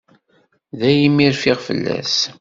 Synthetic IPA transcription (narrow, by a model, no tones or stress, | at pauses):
ðæjimːiɾfɪʁfə̰lːæ̰s